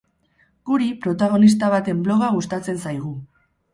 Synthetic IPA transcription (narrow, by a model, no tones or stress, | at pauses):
ɡ̥uɾipɾo̞t̪aɣ̞o̞nist̪aβ̞at̪e̞mblo̞ɣ̞aɣ̞ust̪at͡se̞nsajɣ̞u